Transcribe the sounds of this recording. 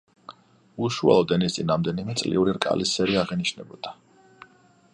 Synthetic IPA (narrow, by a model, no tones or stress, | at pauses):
uʃua̰lˠɔd̪ɛnist̪sʼinɾamd̪ɛnimɛt̪sʼlḭuɾiɾkʼa̰lisɛɾiaʁɛniʃnɛbɔd̪̥a